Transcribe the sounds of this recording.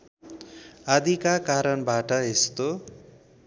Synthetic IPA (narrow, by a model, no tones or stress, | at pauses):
ad̪ʱikakaɾʌnbaʈʌest̪o